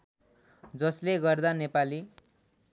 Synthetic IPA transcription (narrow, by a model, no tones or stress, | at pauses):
d͡zʌsleɡʌrd̪anepali